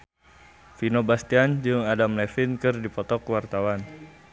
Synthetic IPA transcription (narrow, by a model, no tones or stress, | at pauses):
finobast̪iand͡ʒɨŋadamlɛfɪnkɨrdipɔt̪ɔkwart̪awan